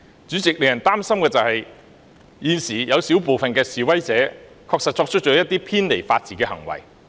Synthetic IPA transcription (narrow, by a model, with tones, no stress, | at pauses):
t͡ʃyː˨˥t͡sɪ˨k̚le˨˩jɐ˨˩nt̪aː˥msɐ˥mkɛː˧t͡sɐ˨whɐ˨j | jiː˨˧nsiː˨˩jɐ˨˧wsi˨˥wpo˨wfɐ˨nkɛː˧siː˨wɐ˥jt͡sɛː˨˥ | kʰɔː˧k̚sɐ˨t̚t͡ʃɔː˧k̚t͡ʃʰɵ˥t͡ʃɔ˨˥jɐ˥t̚t̪iː˥pʰiː˥nle˨˩jfaː˧t̚t͡siː˨˩kɛː˧hɐ˨˩ŋwɐ̰˨˩j